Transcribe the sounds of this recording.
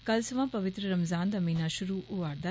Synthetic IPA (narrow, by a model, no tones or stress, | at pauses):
kɐlsɐʋãːpɐʋɪt̪ɾəɾɐmzaːnd̪ɐmiːnaːʃʊɾuːʔʊʋaːɾd̪a